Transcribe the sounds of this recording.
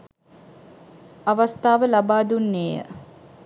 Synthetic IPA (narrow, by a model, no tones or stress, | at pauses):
aʋast̪aːʋəlabaːd̪unːeːjə̰